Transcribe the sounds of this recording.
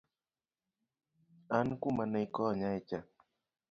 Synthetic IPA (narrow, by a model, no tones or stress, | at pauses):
ankumanəikɔɲaet͡ʃa